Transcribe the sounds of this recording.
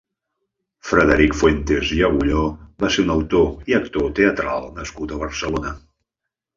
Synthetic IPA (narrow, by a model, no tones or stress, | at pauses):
fɾəðəɾikfwent̪eziəɣuʎobaseɾunəwt̪oiəkt̪ot̪eət̪ɾa̰lˠnəskut̪əβəɾsəlonə